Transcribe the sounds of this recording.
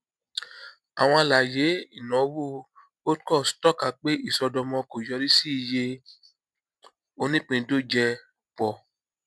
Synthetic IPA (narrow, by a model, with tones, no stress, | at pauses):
a˨w̃ɔ̃˧a˧˨la˨je˨˦i˦˨nɔ̃˨˦wo˦˨ | o˦kɔ˦˨stɔ˦ka˨k͡pe˦i˦˨sɔ˧dɔ˧mɔ̃˧ko˨jɔ˧ɾi˦si˦i˨je˧ | o˧nĩ˦k͡pĩ˧do˦d͡ʒɛ˧ | k͡pɔ˨